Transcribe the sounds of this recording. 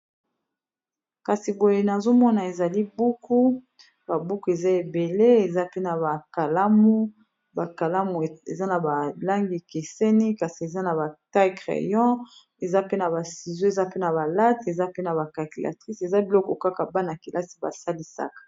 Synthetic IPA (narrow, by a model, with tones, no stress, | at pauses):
ka˨si˨bo˨je˨na˨zo˦mɔ˦na˨e˨za˨li˦bu˦ku˦ | ba˨bu˦ku˦e˨za˦e˨be˨le˦e˨za˦pe˦na˨ba˨ka˨la˦mu˦ | ba˨ka˨la˦mu˨ḛ˨za˦na˨ba˨la˦ŋɡi˨ke˨se˦ni˦ka˨si˨e˨za˦na˨ba˨ta˦ɡʁḛ˨jɔ̃˦ | e˨za˦pe˦na˨βa˨si˨zo˦e˨za˦pe˦na˨ba˨la˦te˨za˦pe˦na˨βa˨ka˨ki˨la̰˨tʁi˦se˨za˦bi˨lɔ˦kɔ˨ka˦ka˨ba˦na˨ki˨lʔa˦si˨ba̰˨sa˦li˦sa̰˦kḁ˨